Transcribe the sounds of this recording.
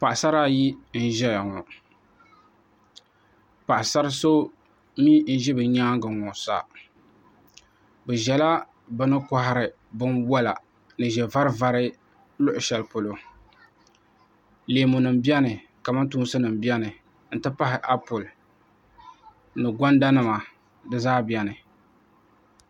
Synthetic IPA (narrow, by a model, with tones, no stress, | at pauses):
pa˨ʔsa˦ɾa˦ji˦n̩˦ʒɛ˦ja˨ŋɔ˨ | pa˨ʔɪ˨sa˦ɾɨ˦so˦ | mi˦n̩˦ʒɪ˦bɨ˨ɲaː˦ŋɡɨ˨ŋɔ˨sa̰˦ | bɨ˨ʒɛ˨la˦ | bɨ˦nɨ˦kɔ˦ɦɪ˦ɾɨ˨ | bɨ˦nwa˦la˨ | nɨ˨ʒɛ˨va˦ɾɨ˦va˦ɾɨ˦ | lʊ˦ʔʊ˨ʃɛ˨lpo˨lo˨ | leː˨mʊ˨nɨ˨mbi˦ɛ˦nɨ˨ | ka˨ma˦ntu˦n˦sɨ˦nɨ˨mbi˦ɛ˦nɨ˨ | n̩˨tɨ˦pa˦ɦɪ˨ʔa˦pʊ˨l | nɨ˨ɡʷɔ˦nda˦nɨ˨ma˨ | dɨ˦zaː˦bi˨ɛ˨nɨ˨